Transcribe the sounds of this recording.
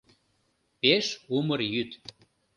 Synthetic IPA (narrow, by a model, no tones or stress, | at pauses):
peʃumərjyt̪